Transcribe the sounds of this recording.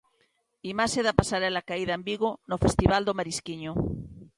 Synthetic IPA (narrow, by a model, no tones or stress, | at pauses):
imaseðapasaɾelakaiðaembiɣonofest̪iβald̪omaɾiskiɲo